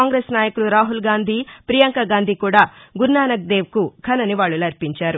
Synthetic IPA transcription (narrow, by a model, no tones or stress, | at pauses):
aːŋɡɾeːsnaːjɐkuluɾaːɦulɡaːnd̪ʱiːpɾijɐŋkɐɡaːnd̪ʱikuːɽaːɡuɾnaːnɐk̚d̪e̞ːʋkukʰɐnɐniʋaːɭːulɐɾpiɲt͡ʃaːɾu